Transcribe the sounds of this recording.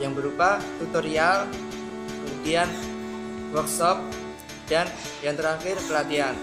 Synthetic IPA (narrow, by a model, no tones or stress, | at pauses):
jaŋbəɾupat̪ut̪oɾial | əudian | wɔksɔp̚ | d̥an | jaŋt̪əɾaxɪrkəlat̪ian